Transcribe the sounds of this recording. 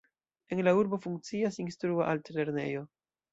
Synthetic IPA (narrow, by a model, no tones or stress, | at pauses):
e̞nlauɾbo̞fuŋk̚t͡siasinstɾuaʔaltle̞ɾne̞̰jo̞